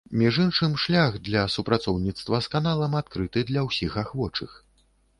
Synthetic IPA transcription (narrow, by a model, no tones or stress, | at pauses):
mʲiʐɨnʂɨmʂlʲaxd̪lʲɐsupɾat̪sɔwnʲit̪st̪vɐskanalˠɐmat̪̚kɾɨt̪ɨd̪lʲɐwsʲixaxvɔt͡ʂɨx